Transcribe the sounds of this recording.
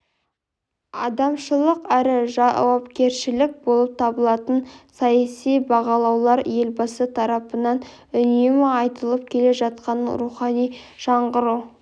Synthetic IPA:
ɑd̪ɑmʃəlˠəqæɾɪʒɑwɑpkʲe̞ɾʃɪlɪk̚bo̞lˠəp̚t̪ʰɑbəlˠɑt̪ənsɑjɑsijbɑʁɑlˠɑwlˠɑɾje̞lbɑsət̪ʰɑɾɑpənɑn | ʏnemɪɑjt̪əlˠəp̚kʲʰe̞le̞ʒɑt̪̚qɑnɾuχɑnij | ʒ̥ɑɴʁəɾu

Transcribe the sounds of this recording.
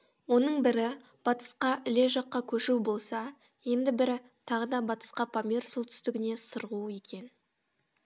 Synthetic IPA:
wo̞nəɴbɪɾɪ | b̥ɑt̪ə̥sqɑʔɪle̞ʒɑqːɑkʲʰɵʃubo̞lˠsɑ | je̞nd̪ɪbɪɾɪ | t̪ʰɑʁəd̪ɑbɑt̪ə̥sqɑpʰamʲersolˠt̪ʰʏ̥st̪ɪɡʲɪne̞səɾʁuje̞kʲʰe̞n

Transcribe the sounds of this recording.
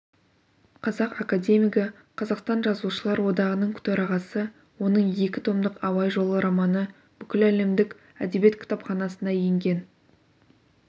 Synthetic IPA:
qʰɑzɑqɑkad̪ʲe̞mʲijkɑ | qʰɑzɑqst̪ɑnʒɑzuʃəlˠɑɾwo̞d̪ɑʁənəɴkʲʰʏ̥t̪oɾɑʁɑsə | wo̞nəɴje̞kʲɪt̪ʰo̞md̪əqɑwɑjʒo̞lˠəɾɑmɑnə | b̥ʏkʲɪlæle̞md̪ɪkʲ | æd̪ebije̞t̪kʲʰt̪ɑpχɑnɑsənɑjeŋɡʲe̞n

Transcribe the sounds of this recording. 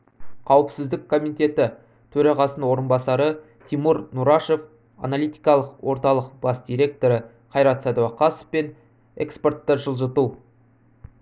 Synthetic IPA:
qʰɑwəpsɪzd̪ɪkkʰːo̞mit̪e̞t̪ɪ | t̪ʰɵɾɑʁɑsənwo̞ɾənbɑsɑɾə | t̪ʰimuɾnuɾɑʃe̞f | a̰nalijt̪i̥jkɑlˠəqwʔo̞ɾt̪ɑlˠəqb̥ɑsd̪ijɾʲe̞k̚t̪o̞ɾə | qʰɑjɾɑt̪sɑd̪owɑqʰɑso̥fpe̞n | ḛkspo̞rt̪ːəʒəlˠʒət̪u

